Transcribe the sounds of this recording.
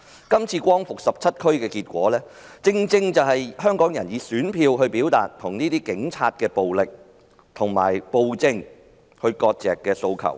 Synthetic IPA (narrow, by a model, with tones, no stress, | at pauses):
kɐ˥mt͡sʰiː˧kʷɔː˥ŋfʊ˨k̚sɐ˨p̚t͡sʰɐ˥t̚kʰɵ˥ɥkɛː˧kiː˧t̚kʷɔː˨˥lɛː˥ | t͡sɪ˧ŋt͡sɪ˧ŋt͡sɐ˨˩wɦɐ˨jhœː˥ŋkɔː˨˥ŋjɐ˨˩njiː˨˧syː˨˥npʰiː˧wɦɵ˧ɥpiː˨˥wt̪a̰ː˨t̚t̪ʰʊ˨˩ŋniː˥t̪iː˥kɪ˨˥ŋt͡sʰaː˧t̚kɛː˧po˨wlɪ˨k̚ | t̪ʰʊ˨˩ŋma̰ː˨˩jpo˨˧wt͡sɪ˧ŋ | hɵ˧ɥkɔː˧t̚t͡sɛ̰ː˨˩kːɛː˧so˧wkʰɐ̰˨˩w